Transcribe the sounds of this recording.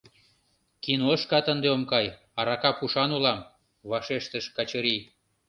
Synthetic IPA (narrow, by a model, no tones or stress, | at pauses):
kinoəʃkɑt̪ənd̪eomkɑj | ɑɾɑkɑpuʃɑnulɑm | βɑʃeʃt̪əʃkɑt͡ɕəɾi